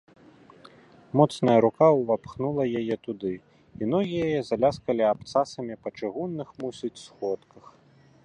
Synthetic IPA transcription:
mɔt̪snɐjɐɾukawvapxnulˠɐjajɛt̪ud̪ɨ | inɔɣʲijajɛzalʲaskɐlʲiapt̪sasɐmʲipɐt͡ʂɨɣunːɨxmusʲit͡sʲsxɔt̪kɐx

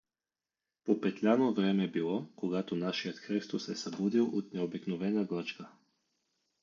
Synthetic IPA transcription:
popɛt̪lʲanovɾɛmɛbilˠɔkoɡat̪onaʃijət̪xɾist̪osɛsabud̪ilˠʔot̪nɛobiknovɛnaɡlˠat͡ʃka

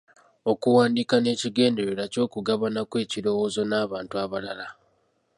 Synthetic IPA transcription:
o̞kuwaːndikane̞ːciɡe̞ːnde̞ɾeɾaco̞ːkuɡaβanakwe̞ːciɾo̞wo̞ːzo̞naːβaːntuaβalala

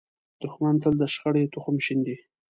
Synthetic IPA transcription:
d̪̥ʊxmant̪əld̪əʃxəɽajt̪ʊxʊmʃind̪i

